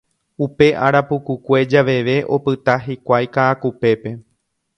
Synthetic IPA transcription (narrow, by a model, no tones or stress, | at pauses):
upe̞ʔaɾapukukʷe̞d͡ʒaʋe̞ʋe̞ʔo̞pɨt̪aɦikʷajkaːkupe̞pe̞